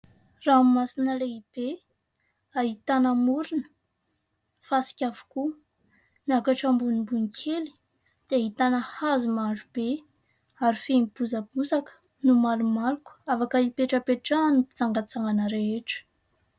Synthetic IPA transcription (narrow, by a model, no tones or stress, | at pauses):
rammasinəleib̥e | aɦit̪anamuɾunə̥ | fasi̥kʲavu̥ku | niakaʈ͡ʂambunimbunikʰeli̥ | d̪̥eaɦit̪anəhazumaɖ͡ʐub̥e | aɾifenib̥uzəbuzakə̥ | numalumalukə̥afakəipeʈ͡ʂəpeʈ͡ʂanupit͡saŋɡat͡saŋanəɾeeʈ͡ʂə̥